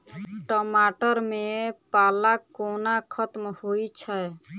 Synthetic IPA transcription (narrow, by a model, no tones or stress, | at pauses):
ʈɔmaʈəɾmepalakonakʰət̪mhojt͡ʃʰə